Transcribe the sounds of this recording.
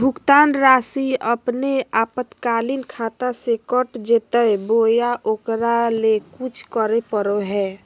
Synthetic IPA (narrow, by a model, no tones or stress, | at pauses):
bʱʊkt̪aːnɾaːsiəpneaːpət̪kaːlinkʰat̪asekəʈd͡ʒet̪əebojaʔokɾalekut͡ʃʰkəɾepəɾoɦɛː